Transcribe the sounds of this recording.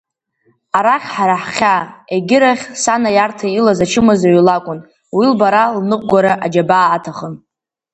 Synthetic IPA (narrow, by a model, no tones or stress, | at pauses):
aɾaχʲħaɾaħχʲaeɡʲɪɾaχʲsanajartʰailazat͡ʃʰɨmazaɥlakʷʼʊn | wilbaɾalnɨqʷʼɡʷaɾaʔad͡ʒabaːtʰaχən